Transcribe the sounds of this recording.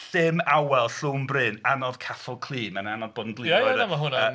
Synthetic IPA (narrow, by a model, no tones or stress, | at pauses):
ɬɪmawɛlˠɬuːmbrɪnanɔðkʰaθɔlˠkʰlˠiːnmananɔðbodn̩ɡlˠɪɔjamaɦʊna